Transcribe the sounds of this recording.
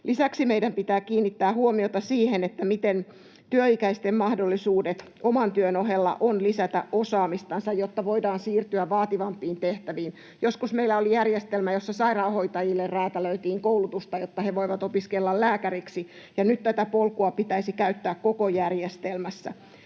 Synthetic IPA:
lʔisæksimeidæmpit̪æːkiːnːit̪ːæːhuomiot̪ɑsiːhenet̪ːæmit̪en | t̪yøikæist̪emmɑhdolːisuːdet̪ | omɑnt̪yønoɦelːɑ̰ʔonlisæt̪æ̰ʔʔosɑːmist̪ɑnsɑjjot̪ːɑʋoidɑːnsiːrt̪yæʋʋɑːt̪iʋɑmpːˑiːnt̪eht̪æʋiːn | joskusmeilːˑæolijærjest̪elmæjosːɑsɑirɑːhoit̪ɑjilːerræːt̪æløyt̪iːŋkoulut̪ust̪ɑjot̪ːɑheʋoiʋɑt̪opiskelːɑllæːkæɾiksi | jɑnyt̪t̪æt̪æpolkuɑpit̪æisikæyt̪ːæːkkokojærjest̪elmæsːæ̰

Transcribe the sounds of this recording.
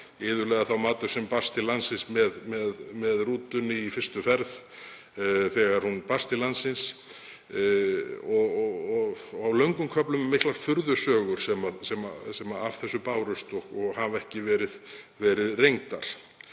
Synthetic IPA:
ɪːðʏlɛːɣaθawmaːt̪ʏ̥sɛmpḁst̪ɪlansɪnsmɛðmɛðmɛðruːt̪ʏniifɪrst̪ʏfɛɾð | θɛːɣaɾ̥hunparst̪ɪlansːɪns | ɔɣɔɣawlœɥŋkʏmkʰœplʏmːɪhklaɾ̥fʏɾðʏsœːɣʏɾ̥sɛmasɛmasɛmaav̥θɛsːʏpaːwɾʏst̪ɔhkɔɣhavɛhcɪvɛːɾɪðvɛɾɪðrejŋt̪aɾ̥

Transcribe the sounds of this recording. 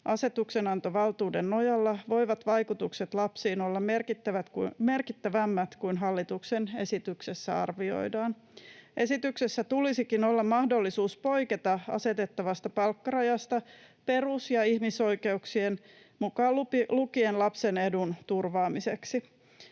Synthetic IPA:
ʔɑse̞t̪ukse̞nɑnt̪o̞ʋɑlt̪uːdenːo̞jɑlːɑʋo̞jʋɑt̪ʋɑjkut̪ukset̪lɑpsiːno̞lːɑmerkit̪ːæʋæt̪me̞rkit̪ːæʋæmːæt̪kuinɦɑlːit̪uksene̞sit̪yksesːæ̰ɑ̰rʋio̞̰jdɑːn | ʔe̞sit̪yksesːæt̪ulisikino̞lːɑmmɑhdo̞lːisuːspo̞jket̪ɑɑ̰se̞t̪e̞t̪ːɑʋɑst̪ɑpɑlkːɑrɑjɑst̪ɑpe̞rusjɑihmiso̞ike̞uksien | mukɑːlulukienlɑpse̞ne̞dunt̪urʋɑːmise̞ksi

